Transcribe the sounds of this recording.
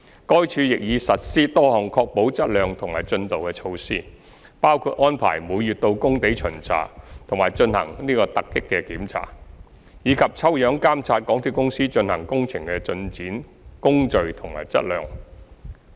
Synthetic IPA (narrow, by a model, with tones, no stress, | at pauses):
kɔː˥jt͡ʃʰyː˧jɪ˨k̚jiː˨˧sɐ˨t̚siː˥t̪ɔː˥hɔː˨˩ŋkʰɔː˧k̚po˨˥wt͡sɐ˥t̚lœː˨ŋt̪ʰʊ˨˩ŋmaː˨˩jt͡ʃɵ˧nt̪o˨wkɛː˧t͡ʃʰo˧wsiː˥ | paː˥wkʰuː˧t̚ʔɔː˥npʰa̰ː˨˩jmuː˨˧jɥyː˨t̪o˧wkʊ˥ŋt̪e˨˥jt͡ʃʰɵ˨˩nt͡sʰa̰ː˨˩t̪ʰʊ˨˩ŋmaː˨˩jt͡ʃɵ˧nhɐ̰˨˩ŋniː˥kɔː˧t̪ɐ˨kːɪ˥kːɛ˧kiː˨˥mt͡sʰa̰ː˨˩ | jiː˨˧kʰɐ˨p̚t͡sʰɐ˥wjœː˨˥ŋkaː˥mt͡sʰaː˧t̚kɔː˨˥ŋt̪ʰiː˨˧˩kʊ˥ŋsiː˥t͡ʃɵ˧nhɐ˨˩ŋkʊ˥ŋt͡sʰɪ˨˩ŋkɛː˧t͡ʃɵ˧nt͡siː˨˥n | kʊ˥ŋt͡ʃɵ˨˧ɥt̪ʰʊ˨˩ŋma̰ː˨˩jt͡sɐ̰˥t̚lœː˨˧ŋ